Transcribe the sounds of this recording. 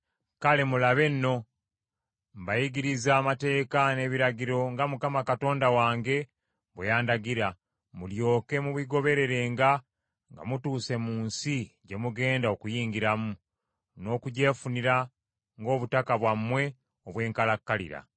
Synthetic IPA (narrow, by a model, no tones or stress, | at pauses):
kale̞mulaβe̞nːo̞ | m̩bajiɡiɾizaːmate̞ːkane̞βiɾaɟiɾo̞ŋɡamukamakato̞ːndawaːŋɡe̞ | βwejaːndaɡiɾa | muljo̞ːke̞muβiɡo̞βe̞ɾe̞ɾe̞ːŋɡa | ŋɡa̰mutuːse̞muːnsiɟe̞muɡe̞ːndao̞kujiːŋɡiɾamu | no̞ːkuɟe̞ːfuniɾa | ŋɡo̞ːβutakaβwamːwe̞ | oβwe̞ːŋkalakːalḭɾa̰